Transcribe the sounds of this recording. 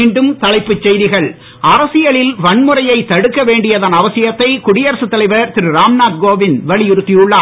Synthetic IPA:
iːɳɖɯmt̪ɐɭɐɪpːɯt͡ʃːɛjðɪɣɐɭ | ɐɾɐsɪjɐɭɪlʋɐɳmɯrɐjɐɪt̪ːɐɽɯkːɐʋeːɳɖɪjɐðaːnɐʋɐsɪjɐt̪ːɐɪkʊɽɪjɐɾɐsɯt̪ːɐlɐɪʋɐɾt̪ɪɾɯɾaːmnaːt̪̚ɡoːʋɪnʋɐɭɪjɪɾɯt̪ːijʊɭːaː

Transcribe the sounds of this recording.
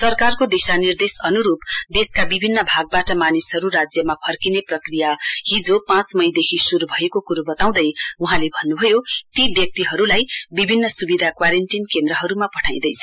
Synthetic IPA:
sʌrkarkod̪esanird̪esʌnuɾupd̪eskabibʱinːʌbʱaɡ̚baʈʌmanisɦʌɾuɾad͡zjʌmapʰʌrkineprʌkrijahid͡zopãt͡smʌjd̪ekʰisuɾubʱʌekokuɾubʌt̪aw̃d̪ʌjuɦãlebʱʌnːubʱʌjot̪ibjʌk̚t̪iɦʌɾulajbibʱinːʌsubid̪ʱakwaɾenʈinkend̪ɾʌɦʌɾumapʌʈʰaj̃d̪ʌjt͡sʰʌ

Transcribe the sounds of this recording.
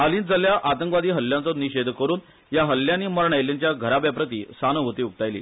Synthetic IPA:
alĩːnd͡zəljaʔat̪əŋkʋad̪iːɦəlːjant͡sɔniɕed̪kəɾuːn | jaɦəlːjaniːməɾɳajljaɲt͡ɕjaɡʱəɾabjapɾət̪̬iːsanəɦot̪iːuk̚t̪ajlḭː

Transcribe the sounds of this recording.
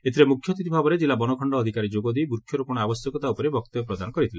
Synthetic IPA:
et̪ʰiɾemukʰjɔt̪it̪ibʱabɔɾed͡ʒilabɔnɔkʰɔɳɖɔːd̪ʱikaɾid͡ʒoɡɔd̪ujbuɾkʰjɔɾɔpuɽ̃ɔabɔsjɔkɔt̪aupɔɾebɔkt̪ɔpɾɔd̪anɔkɔɾit̪ʰile

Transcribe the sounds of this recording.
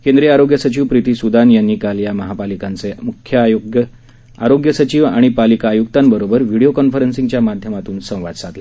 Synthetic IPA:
kẽnd̪ɾiaɾoɡjəsət͡ɕiːʋpɾit̪iːsud̪anjanːiːkaljaməɦapalikant͡semukʰjəɡj | aɾoɡjəsət͡ɕiːʋa̰ɽ̃ipalikaːjuk̚t̪ambəɾobəɾʋiɽiokɔnfəɾənsiŋɡt͡ɕjamad̪ʱjəmat̪uːnsə̃w̃ʋa̰d̪t͡sat̪le

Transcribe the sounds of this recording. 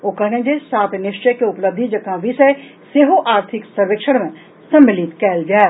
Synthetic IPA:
oːkɐɦnẽd͡ʒesaːt̪ʰnɪʃt͡ʃəjkeʊpləb̚d̪ʱid͡ʒɐkãʋʱisɐjseɦoʔaːɾt̪ʰɪksɐɾʋekʃəɽmẽ | sɐ̃mːɪlit̪kɛːld͡ʒaː

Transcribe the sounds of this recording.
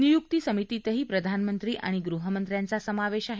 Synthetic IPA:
nijuk̚t̪isəmit̪it̪əɦiːpɾəd̪ʱanmənt̪ɾiːʔa̰ɽ̃iɡɾuɦəmənt̪ɾjant͡sasəmaʋeɕaɦ

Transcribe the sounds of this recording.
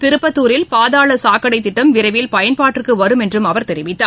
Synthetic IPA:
t̪ɪɾɯpːɐt̪ːuːɾɪlpaːðaːɭɐsaːkɐɽɐɪt̪ːɪʈːɐmʋɪɾɐɪʋɪlpɐjɐnpaːʈːɪrkɯʋɐɾɯmɛndrɯmɐʋɐɾt̪ɛɾɪʋɪt̪ːaː

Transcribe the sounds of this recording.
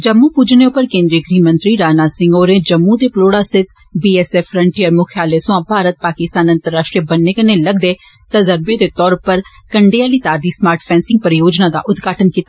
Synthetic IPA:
d͡ʒəmːũːpuːd͡ʒneːʊpːəɾkẽːnd̪ɾiəɡɾiːmə̃nt̪ɾiːɾaːnaːsɪ̃ŋɡoːɾẽːd͡ʒəmːũd̪eːploːɽaːsɪt̪ʰ | biːɛːsɛːfʰːɾə̃ɳʈiəɾmʊkʰjaːleːsʊ̃ãːbʱaːɾət̪̚paːkɪst̪aːnə̃nt̪əɾːaːʃʈɾibənːeːkəneləɡd̪eː | t̪əzəɾbeːd̪eːt̪ɔːɾpəɾ | kəɳɖeaːlit̪aːɾd̪iːsmaːɾʈʰpʰɛ̃ːnsɪ̃ŋɡ̚pəɾjoːd͡ʒnaːd̪a̰ːʔʊd̪ɡaːʈənkiːt̪a

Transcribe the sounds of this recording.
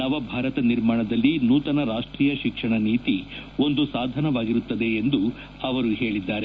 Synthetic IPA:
nɐʋɐbʱaːɾɐt̪ɐniɾmaːɳɐd̪ɐlːinuːt̪ɐnɐɾaːʂʈɾiːjɐʃikʂɐɳɐniːt̪io̞nd̪usaːd̪ʱɐnɐʋaːɡiɾut̪ːɐd̪e̞ːnd̪u | ɐʋɐɾuɦe̞ːɭid̪ːaːɾe

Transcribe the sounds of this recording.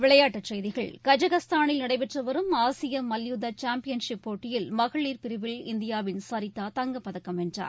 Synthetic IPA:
ʋɪɭɐjaːʈːɐt͡ʃɛjðɪɣɐɭkɐd͡ʒɐɣɐst̪aːnɪlnɐɽɐɪpɛʈrɐʋɐɾɯmaːsɪjɐmɐljuːðɐt͡ʃaːmpɪjɐnʂɪpːoːʈːɪjɪlmɐɣɐɭiːɾpɪɾɪʋɪlɪnd̪ɪjaːʋɪnsaɾɪt̪ːaːt̪ɐŋɡɐpːɐðɐkːɐmɛndra̰ːɾ

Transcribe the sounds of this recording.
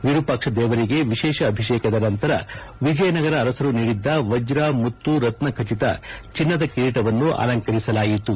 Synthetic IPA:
ʋiɾupɐkʂɐd̪ɛːʋɐɾiɡe̞ʋiʃɛːʃɐːbʱiʃeːkɐd̪ɐnɐnt̪ɐɾɐ̰ | ʋid͡ʒɐjɐnɐɡɐɾɐːɾɐsɐɾuniːɽid̪ːɐʋɐd͡ʒɾaːmut̪ːuɾɐt̪nɐkʰɐt͡ʃit̪ɐ̰t͡ʃinːɐd̪ɐkiɾiʈɐʋɐnːuʔa̰ːlɐŋkɐɾisɐlaːjit̪u

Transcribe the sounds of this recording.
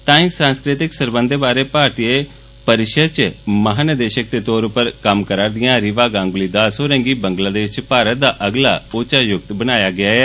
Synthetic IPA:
t̪ãːksãːnskɾɪt̪ɪksəɾbənd̪ebaːɾeːpaːɾt̪iːe | pəɾɪʃəd̪̚t͡ʃməɦaːnəd̪eːʃək̚d̪eːt̪oːɾʊpːəɾkəmkəɾaːɾd̪ɪjãːɾɪʋaːɡãːŋɡʊliːd̪aːsoːɾɛ̃ŋɡiːbəŋɡlaːd̪eːʃt͡ʃpaːɾət̪̚d̪aːʔəɡla̰ːoːt͡ʃaːjʊk̚t̪bənaːjaːɡɪaːɛː

